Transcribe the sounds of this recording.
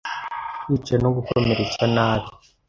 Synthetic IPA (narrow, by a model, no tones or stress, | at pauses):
it͡ʃanoɡuko̰meɾet͡swanaːβi̥